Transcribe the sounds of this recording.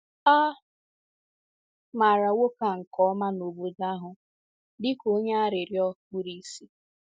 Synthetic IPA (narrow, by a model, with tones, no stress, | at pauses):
a˦ | ma˨ɾa˨wo˦ka˨ŋ̩˨kɔ˨˦ɔ˦ma˦no˨bo˨da˦ɦʊ˨ | dɪ˦ko˦ɲe˦a˦ɾɪ˨ɾjɔ˦k͡pu˨ɾi˨˦si˦